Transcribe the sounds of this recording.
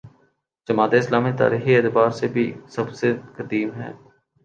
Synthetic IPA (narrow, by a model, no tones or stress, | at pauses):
d͡ʒɐmaːt̪eɪslaːmit̪a̰ːɾiːxieːt̪baːɾsebʱisɐbsekɐd̪iːmɦɛ̰ː